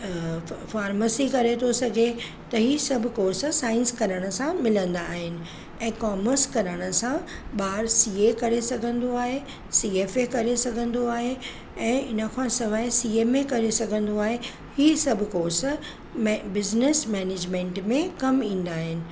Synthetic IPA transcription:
faːɾməsikɐɾet̪ʰosɐɡʱe | t̪ɐɦiːsɐbʱʊkoːsəsaːɪ̃nskɐɾəɽ̃ə̆sãmɪlə̃nd̪aːɦɪnɪ̆ | ɛ̃ːkaːməɾskɐɾəɽ̃ə̆sãɓaːɾsiekɐɾesɐɡʱə̃nd̪oaːɦe | sieːfekɐɾesɐɡʱə̃nd̪oaːɦe | ɛ̃ːɪnəkʰãsɐʋaːesiːeːmẽkɐɾesɐɡʱə̃nd̪oaːɦe | hiːsɐbʱʊkoːsə | bɪznesmɛːneːd͡ʑmẽːɳʈmẽkɐmĩːn̆d̪aːɦɪnɪ̆

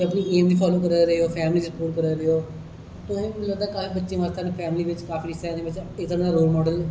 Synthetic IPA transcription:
əpniːeːmd͡ʒiːpʰɔːloːkəɾeɾəoːpʰɛːmliːd͡ʒsəpuːɾkəɾeɾeoː | t̪ʊsĩːləɡd̪aːkaːfiːbətːʃẽːʋaːst̪aneːpʰɛːmliːʋɪt͡ʃkaːfiːɪsaːnẽːbɪt͡ʃɪkt̪əɾãːd̪aːɾoːlmɔːɖəl

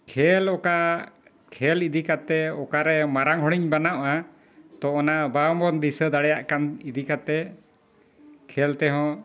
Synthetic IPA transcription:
kʰɛlɔka | kʰɛlid̪ikat̪ɛɔkaɾɛmaɾaŋɦɔɽ̃iɲbanaʔa | t̪ɔɔnabambɔnd̪isəd̪aɽɛjaʔkanid̪ikat̪ɛ | kʰɛlt̪ɛɦɔ̃

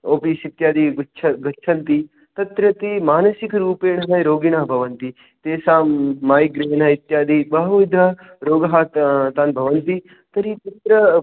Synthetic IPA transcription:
oːpiːsit̪jaːd̪iɡt͡ʃʰɐɡɐt͡ʃʰɐnt̪i | t̪ɐt̪ɾɐt̪imaːnɐsikɾuːpeːnɐɦɐjɾoːɡiɳaːbʱɐʋɐnt̪i | t̪eːsaːmːaːjɡɾeːnɐit̪jaːd̪ibɐɦɐʋid̪ʱɐ | ɾoːɡɐɦat̪t̪aːnbʱɐʋɐnt̪i | t̪ɐɾit̪ɐt̪ɾɐ

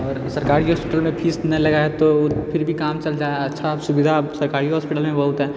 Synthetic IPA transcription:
ɔːɾsɐɾkaːɾiɦɔːspɪʈəlmẽpʰiːsnɐilɐɡaɦɛt̪opʰɪɾbʱikaːmt͡ʃɐld͡ʒaːɛɐtːʃʰasʊbɪd̪ʱasɐɾkaːɾiɦɔːspɪʈəlmẽbɐɦut̪ɦɛ̃

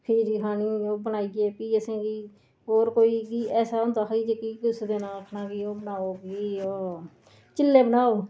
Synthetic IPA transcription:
pʰiːɾiɦaːniːoːbənaːiɡeːpiːəsẽːɡiː | ɦoːɾkoːiːɡiːɛːsaːʊ̃nd̪aːkʰːiːd͡ʒekiːɡʊsd̪eːnaːkʰnaːɡiːoːbənaːoːɡiːoː | t͡ʃɪlːeːbənaːoː

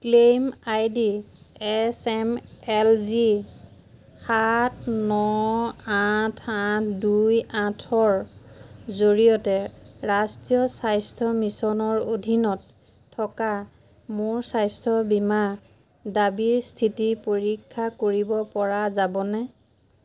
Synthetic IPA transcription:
klemajdiɛsɛmɛlzi | xatʰnɔatʰãtʰdujãtʰɔɹ | zoɹijɔtɛɹastijɔsajstʰɔmisɔnɔɹodʱinɔtʰː | ɔka | moɹsajstʰɔbima | dabiɹstʰitipoɹikʰːakoɹibɔpɔɹazabɔnɛ

